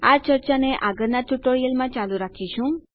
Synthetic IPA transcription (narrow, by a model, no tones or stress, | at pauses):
aɾt͡ʃəɾt͡ʃaneʔaɡəɾnaʈ̪uʈoɾijəlmãt͡ʃaluɾakʰiʃʰũ